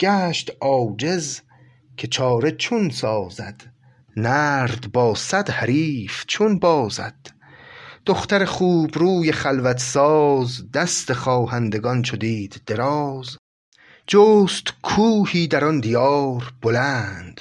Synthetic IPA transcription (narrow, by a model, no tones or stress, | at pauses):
ɡ̥æːʃt̪ɒːd͡ʒez | kʰe̞t͡ʃʰɒːɾe̞t͡ʃʰunsɒːzæd̪̥ | næːɾd̪bɒːsæd̪hæɾiːft͡ʃʰunbɒːzæ̰d̪̥ | d̪̥oχt̪æɾeχuːbɾuːjeχælvæt̪ʰsɒːzd̪æst̪eχɒːhænd̪e̞ɡɒnt͡ʃʰod̪iːd̪̥ːe̞ɾɒːz | d͡ʒoːst̪kʰuːhiːd̪æɾɒnd̪ijɒːɾb̥olæːnd̪̥